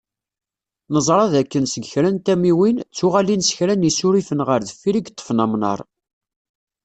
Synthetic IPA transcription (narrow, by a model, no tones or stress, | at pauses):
nəzˤɾˤɑðækːənsəɡçɾænt̪æmiwint͡sːʊʁalinsə̥çɾænisuɾifənʁəɾðəfːiɾiɡt̪ˤːə̥fnæmnɑ̰ɾˤ